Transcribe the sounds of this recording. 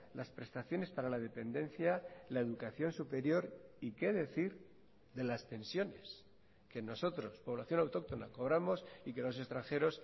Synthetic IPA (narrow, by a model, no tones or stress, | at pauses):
laspɾe̞st̪aθjo̞ne̞spaɾalað̞e̞pe̞nd̪e̞nθjalae̞ðukaθjo̞nsupe̞ɾjo̞ɾikeðe̞θiɾ | ðe̞last̪e̞nsjo̞ne̞s | ke̞no̞so̞t̪ɾo̞spo̞β̞laθjo̞nawt̪o̞k̚t̪o̞nako̞β̞ɾamo̞sike̞lo̞s̬e̞st̪ɾaŋxe̞ɾo̞s